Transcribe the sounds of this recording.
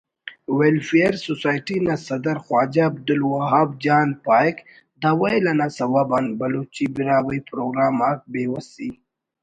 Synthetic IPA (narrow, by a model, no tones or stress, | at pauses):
welfijaɾsosɑjʈinasad̪aɾxwɑd͡ʒaːb̚d̪ʊlwaɦɑb̚d͡ʒɑnpɑjk | d̪awajlanasawabanbalot͡ʃibɪɾɑwəjpɾoɡɾɑmak̚bewasi